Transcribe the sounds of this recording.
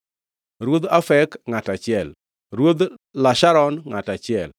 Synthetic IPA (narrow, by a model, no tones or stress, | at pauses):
ɾwod̪afɛkŋatat͡ʃɪɛl | ɾwod̪laʃaɾɔnŋatat͡ʃɪɛl